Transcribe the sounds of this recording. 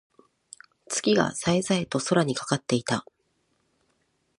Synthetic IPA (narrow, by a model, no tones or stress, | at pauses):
t͡sɨ̥ɡʲiɡa̰saezaet̪o̞so̞ɾaɲ̟ikḁkat̪ːe̞it̪a